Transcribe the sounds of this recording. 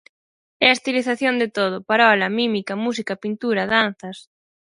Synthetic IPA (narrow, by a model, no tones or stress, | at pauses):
ɛɐest̪iliθaθjond̪et̪oð̞ʊpaɾɔlɐmimikɐmusikɐpint̪uɾɐðan̟θɐs